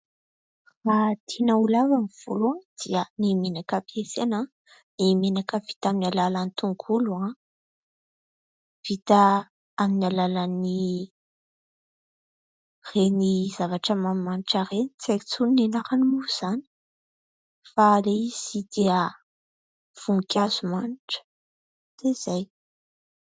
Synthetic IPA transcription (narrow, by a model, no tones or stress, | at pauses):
fad̪̥ʰinəulavamiv̥uluad̪̥iənimenakəpiesena | nimenakəvi̥t̪aminalalanit̪uŋɡuluã | v̥it̪a | aminalalani | reniz̥avaʈ͡ʂəmammaniʈ͡ʂarenit͡sait͡suninenaɾanimuz̥ani̥ | faleiz̥id̪̥iə | v̥uŋkʲaz̥umaniʈ͡ʂə̥ | t̪ez̥aj